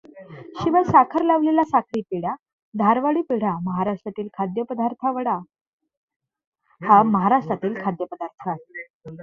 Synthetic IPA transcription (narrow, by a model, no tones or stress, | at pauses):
ɕiʋəsakʰəɾlaʋlelasakʰɾiːpiɽja | d̪ʱaɾʋaɽiːpiɽ̤aməɦaɾaʂʈɾat̪iːlkʰad̪jəpəd̪aɾt̪ʰaʋəɽa | haməɦaɾaʂʈɾat̪iːlkʰad̪jəpəd̪aɾt̪ʰa